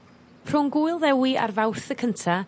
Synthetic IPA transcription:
r̥ʊnɡʊjlˠðɛwiʔa̰rvawrθəkʰəntʰa

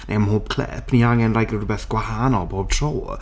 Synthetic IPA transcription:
nʔḛjmhoːb̚kʰlɛ̰pʰniaŋɛnlajɡrdbɛːθɡ̥wahanɔlˠboːb̚tʰroː

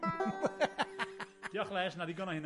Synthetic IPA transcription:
d̥iɔχlɛːsnadiɡɔnɔhɪn

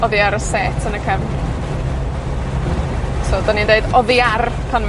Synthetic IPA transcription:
ɔðɪaɾəsɛtʰənəkʰɛm | sodanindeɨdɔðiarpʰanm

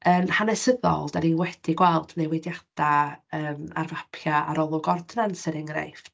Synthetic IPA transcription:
ənhanɛsəðɔ̰lˠd̥aninwɛd̥iɡwɛlˠd̥nejwɛdjad̥aəːma̰rvapʰjaaɾɔlˠʊɡɔrdnansɪɾɪŋrḛjf

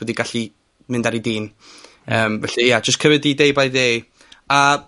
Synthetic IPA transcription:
ədiɡaɬi | mɪndaɾidiːn | əːmvɛɬɛjad͡ʒəstkʰəvɨdidejbajdej | a

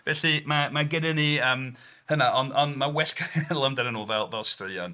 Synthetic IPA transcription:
vɛɬimamaɡɪdɪniəːm | hənaʔɔnɔnmawɛɬkʰənnlˠəmdɛnənoːlˠvɛlˠvɛlˠstrɪɔ̰n

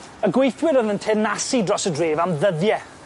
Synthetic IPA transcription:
əɡwejθwɪɾəðəntʰɛnasidrɔsədreːvamðəðjɛ

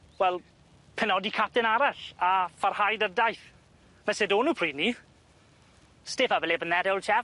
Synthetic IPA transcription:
wɛlˠ | pʰɛnɔdikʰap̚tɪnaɾaɬafarhajdədajθ | mɛsedoːnupʰr̥iːdni | stefavɛlɛbənðɛdɛwlt͡ʃʰɛ

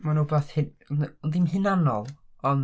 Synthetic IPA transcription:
manubaθhɪnndimhɨnanɔlˠɔn

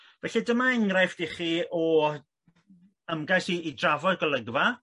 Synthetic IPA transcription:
vɛɬɛdəmaɛŋrajfd̥iχiɔ | əmɡajsiːdravɔɡəlˠəɡva

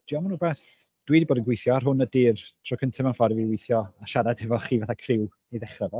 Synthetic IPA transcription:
d̥iɔmanuːbɛθ | d̥wiːdiboːdənɡwɪjθjɔar̥ɦʊnədɪːrtʰrɔkʰəntʰɪmanfɔɾviwɪjθjɔaʃaɾad̥hɛvɔχiːvaθakʰrɪw | eðɛχəvɔ

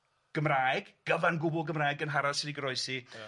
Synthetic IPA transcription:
ɡ̥əmrajɡɡ̥əvanɡʊbʊlˠɡəmraːjɡənɦaɾasɪdiɡəɾɔɨsi

